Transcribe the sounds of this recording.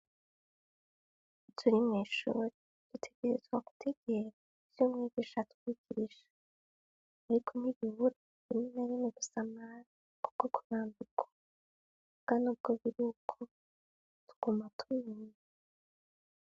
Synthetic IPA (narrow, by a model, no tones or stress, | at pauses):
tʰuɾimŋiːʃuːɾe | d̥utʰe̞ɡe̞ɾe̞zɡwaɡu̥tʰe̞ɡ̥e̞ɾa | i̥umŋeɡiʃatu̥kiɡiɾiʃḁ | aɾikʰoniβiβuɾa | inimeɾeniɡusamaɾ | kubkokʰuɾaːnduɡḁ | bɡ̥anuːb̚ɡ̥o̞βiɾiukʰo | tʰu̥ɡ̥umatʰumin